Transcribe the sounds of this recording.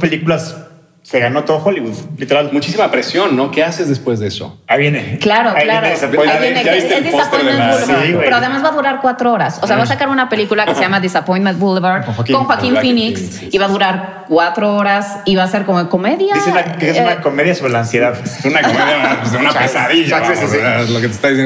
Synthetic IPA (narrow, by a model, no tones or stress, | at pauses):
spelikulas | se̞ɣano̞t̪oðoxoliβuðlit̪e̞ɾalmut͡ʃis̬imapɾesjo̞nːo̞kease̞zðespwezðeeso̞̰aiβjeneklaɾoailaɾosβjeneseld̪eapojẽuiepeɾoaðemazβaðuɾaɾkwat̪ɾooɾasoseaβaasakaɾunape̞likulakeseʝamaðesapoj̃nmẽnt̪bulβeɾwakonxwakimfiniks | iβaðuɾaɾ | kwat̪ɾooɾas | iβaseɾkomoko̞meðjaesnakunakomeðjasoβɾelaːnsjeðaðunakomeðjazðeunapesaðiʝaesasialoket̪e̥st̪aðise